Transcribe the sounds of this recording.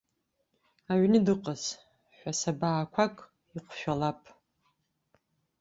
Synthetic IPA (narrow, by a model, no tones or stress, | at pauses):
aɥnɨdɨqʼaz | ħʷᶣasabaːkʷʰakʼ | iqʷʃᶣalapʼ